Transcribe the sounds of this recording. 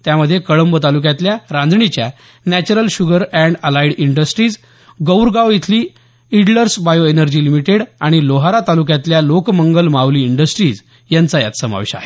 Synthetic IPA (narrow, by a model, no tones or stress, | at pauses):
t̪jaməd̪ʱːjekəɭəmbət̪aluk̬jãt̪ljaɾãnd͡zɳit͡ɕja | næt͡ɕuɾəlɕuɡəɾɛ̃ɳɖəlaiɽiɳɖəsʈɾiːd͡z | ɡəwɾɡaʋit̪ʰliː | iɽləɾsbajoenəɾd͡ʑiːlimiʈeɽaɽ̃iloɦaɾat̪alukjat̪ljalokməŋɡəlmaʋliːɳɖəsʈɾiːd͡z | jant͡saja̰t̪səma̰ʋɕa̰e